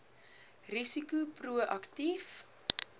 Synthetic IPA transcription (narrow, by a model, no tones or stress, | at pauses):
risikupruəʔɐktif